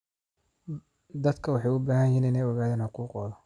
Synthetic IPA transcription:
d̪ɐd̪kʰɐwɑħɑjʊbaːhɐjjiːnɪnɛjɔɣaːðɛːnħʊquːqʼɔːðɔ

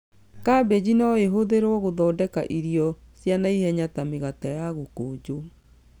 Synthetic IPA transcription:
kabed͡ʑinɔeɦoðeɾɔɣoðɔːdɛka̰ʔiɾjɔsjanaihɛɲatameɣatajaɣokoːd͡ʑo

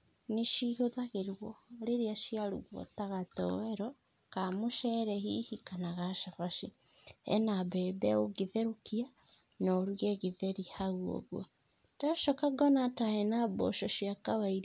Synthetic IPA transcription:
niʃihoðaɣeɾwɔɾeɾeaʃijaɾuɣwɔ̰taɣatɔ̰wɛɾɔ | kamoʃɛɾɛɦihikanaɣaʃaβaʃi | ɛ̰naβɛbɛoɣiðeɾukia | noɾweɣiðeɾihaɣwo̰ɣwa | taʃɔkaɡɔnatahɛnabo̰ʃɔʃjakawaiɾ

